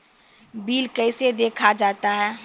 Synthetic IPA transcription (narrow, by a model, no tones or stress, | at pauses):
biːlkɛɪsed̪eːkʰad͡ʒaːt̪aɦɛː